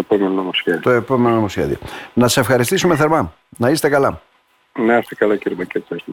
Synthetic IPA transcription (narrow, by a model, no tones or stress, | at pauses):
pomenonomosçeðit̪oepomenonomosçḛðḭo̰nɐt̪i̥se̞fxɐɾist̪isumeθe̞ɾmɐ | nɐise̥t̪ekɐlɐ | neɐst̪ekɐlɐciɾimɐciɾt̪ois